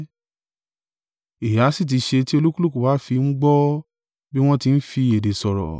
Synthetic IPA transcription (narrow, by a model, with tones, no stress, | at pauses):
i˨ja˨˦si˦˨t̬i˧ʃe˧ti˦o˧lu˦ku˦lu˦ku˨wa˨˦fi˧ŋ͡m̩˦ɡ͡bɔ˦ | bi˦w̃ɔ̃˦ti˧n̩˦fi˧˨e˨de˨sɔ˨ɾɔ̰˨